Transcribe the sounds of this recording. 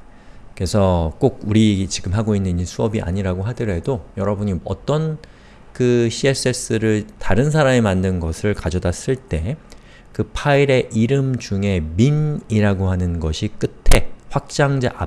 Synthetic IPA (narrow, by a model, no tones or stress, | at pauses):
ke̞sʰʌk͈ok̚uɾit͡ɕiɡɯmɦaɡoinːɯɲisʰuʌbiʔa̰ɲiɾaɡoɦadɯɾɦe̞dojʌɾʌbuɲiʌt͈ʌn | kɯɕʰies͈es͈ɯɾɯɭtaɾɯns̬ʰaɾame̞mandɯnɡʌsʰɯɭkad͡ʑʌdas͈ɯɭt͈e̞ | kɯpʰaiɾe̞ʔiɾɯmd͡ʑuŋe̞miniɾaɡohanɯnɡʌɕʰik͈ɯtʰe̞ɸwak̚t͡ɕ͈aŋd͡ʑaʔa